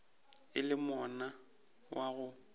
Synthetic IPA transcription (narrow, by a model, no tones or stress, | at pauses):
ɪlɪmɔna | wʔaɣʊ